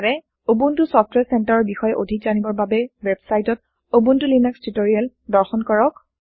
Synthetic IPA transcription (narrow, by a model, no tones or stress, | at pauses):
aɹɛ | obuntʊsɔpʰtʰwɛsɛntaɹɔɹbixɔjɛʔodʱikzanibɔɹbabɛwɛbsajtɔt | obuntʊlinakstʰutoɹial | dɔɹxɔnkɔɹɔk